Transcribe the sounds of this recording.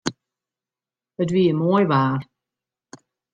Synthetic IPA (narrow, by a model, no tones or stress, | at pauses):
ət̬viəmoːjvaːr